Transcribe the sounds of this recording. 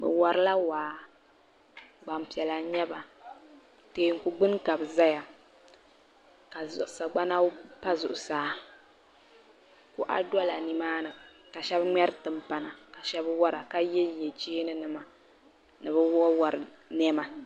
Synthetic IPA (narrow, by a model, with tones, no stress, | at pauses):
bɨ̰˨wɔ˨ɾɨ˦la˦waː˨ | ɡ͡ba˨m˨pi˨ɛ˨la˨ɲɛ˦ba˨ | teː˨ŋ̩˨ku˨ɡ͡bɨ˦n˦ka˨bɨ˨za˦ja˨ | ka˨zʊ̰˨ʔsa˨ɡ͡ba˦na˦pa˦zʊ˨ʔʊ˨saː˨˦ | ku˦ʔa̰˦dɔ˦la˨ni˨maː˦nɨ˨ | ka˨ʃɛ˦bŋ͡mɛ˦ɾɨ˦tɨ˨mpa˨na˨ka˨ʃɛ˦bwɔ˦ɾa˨ka˦jɛ˦ljɛ˨d͡ʒiː˦nɨ˦nɨ˨ma˨ | nɨ˨bɨ˦wwa˨ɾɨ˨ | nɛ˦ma˨